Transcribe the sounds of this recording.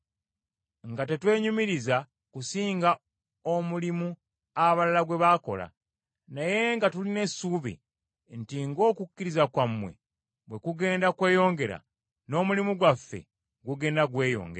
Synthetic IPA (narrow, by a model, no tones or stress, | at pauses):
ŋɡate̞twe̞ːɲumiɾiza | kusiːŋɡa | omulimu | aβalalaɡwe̞βako̞̰la̰ | naje̞ŋɡatuline̞suːβḭ | ntiŋɡo̞ːkukːiɾizakwamːwe̞̰ | bwe̞kuɡe̞ːndakwe̞ːjo̞ːŋɡe̞ɾa̰ | no̞ːmulimuɡwafːe̞̰ | ɡuɡe̞ːndaɡwe̞ːjo̞̰ːŋɡe